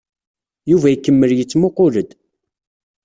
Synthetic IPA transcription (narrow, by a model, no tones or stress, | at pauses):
juvæjkːəmːəljət͡sːmoqʊləd̪